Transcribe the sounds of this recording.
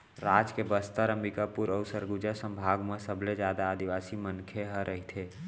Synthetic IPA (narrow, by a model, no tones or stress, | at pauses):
ɾaːd͡ʒkebəst̪aɾə̃mbikapuɾəʊsəɾɡud͡ʒəsə̃mbʱaːɡmẽsəbled͡ʒjaːd̪aːd̪iʋaːsimənkʰeɦə̃ɾʔəɦit̪ʰeː